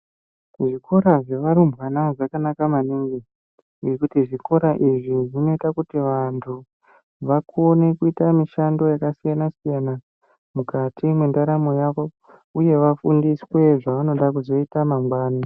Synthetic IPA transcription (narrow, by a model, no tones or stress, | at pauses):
ʐiko̞ɾaʐe̞ʋaɾumbɣanaʐakanakamaniŋɡi | ŋekutiʐiko̞ɾaʔiʐiʐino̞itakutiʋantʰu | ʋakʰo̞ne̞kuitamiʃando̞jakasijanasijana | mukatʰimwendaɾamojako̞ | uje̞ʋafundiswe̞ʐaʋano̞ɗakuzo̞itamaŋɡwaːna